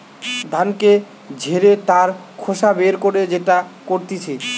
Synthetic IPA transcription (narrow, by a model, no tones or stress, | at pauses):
d̪ʱanke | d͡ʑʱeɾet̪aɾ | kʰoʃabeɾkoɾed͡ʑeʈakoɾt̪it͡ɕʰe